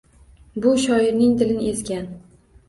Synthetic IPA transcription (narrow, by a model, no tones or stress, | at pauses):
bʊʃɒɪɾnɪŋd̪ɪlɪnɪesɡʲan